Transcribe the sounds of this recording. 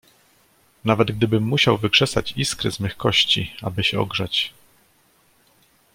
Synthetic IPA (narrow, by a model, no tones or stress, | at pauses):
navɛd̪ɡ̚d̪ɘbɘmːuɕawvɘkʂɛsat͡ɕiskɾɛ̰zmɘxkɔɕt͡ɕia̰bɘɕɛɔ̰ɡʐat͡ɕ